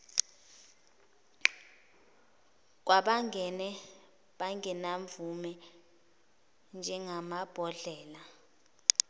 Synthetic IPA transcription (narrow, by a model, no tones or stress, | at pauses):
k̬waɓaŋɛnɛ | ɓaŋɡɛnaɱvumɛ | nd͡ʒʱɛŋamab̥ʱɔɮɛːla